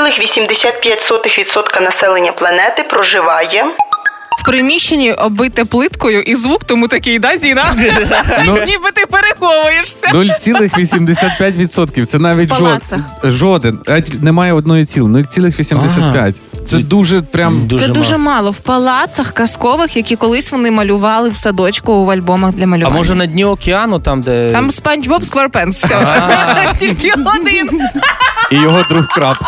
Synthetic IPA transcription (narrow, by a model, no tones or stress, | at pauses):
lˠɪxʋʲisʲimd̪esʲat̪̚pʲjatʲsɔt̪ɪxʋʲid̪sɔt̪kɐnɐsɛlˠenʲːɐplˠɐnɛt̪ɪpɾɔʒɪʋɑjɛ | wpɾɪmʲiʃt͡ʃːenʲːiʔɔbɪt̪ɛplˠɪt̪kɔjʊʔizʋukt̪ɔmut̪ɐkɪjd̪ɑzʲijnɑ | nnʲibɪt̪ɪpeɾexɔʋʊjeʂsʲɐnɔlʲt͡sʲilˠɪxʋʲisʲimd̪esʲat̪̚pʲjatʲʋʲid̪sɔt̪kʲiwt̪ɛnɑʋʲit̚ʲlʒˠɔɐxʒɔd̪ɪnɛtʲinɛmɑjɛɔd̪̚nɔjit͡sʲilˠnulʲt͡sʲilˠɪxʋʲisʲimd̪esʲat̪pʲja̰tʲt̪sɛd̪uʒɛpɾʲamsɛd̪uʒɛmɑlˠɔwpɐlˠɑt̪sɐxkɐskɔʋɪxjɐkʲikɔlˠɪsʲʋɔnɪmɐlʲʊʋɑlˠɪwsɐd̪ɔt͡ʃkʊɐlʲbɔmɐɣd̪lʲɐmɐlʲʊɐmɔʒɛnɐdʲnʲiɔkʲeɑnʊt̪ɑmd̪ɛɑmspɛnʲd͡ʒbɔpskʋɛrpɛnsfɛ | tʲilʲkɪɔd̪ɪn | ijɔɦɔd̪ɾuxkɾɑp